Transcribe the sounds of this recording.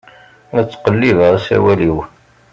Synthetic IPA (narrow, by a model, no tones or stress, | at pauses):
æt͡sːqəlːiðəʁæsæ̰wæliw